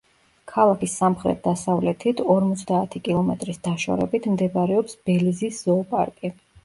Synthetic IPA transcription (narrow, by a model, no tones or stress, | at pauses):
kʰalˠakʰisːamχɾɛ̰t̪̚d̪̥asavlɛt̪ʰit̪ʰɔɾmɔt̪sʰd̪aːt̪ʰikʼilˠɔmɛt̪ʼɾisd̪̥aʃɔ̰ɾɛ̰bit̪ʰmd̪ɛbaɾɛɔpsbɛliziszɔpʼa̰ɾkʼi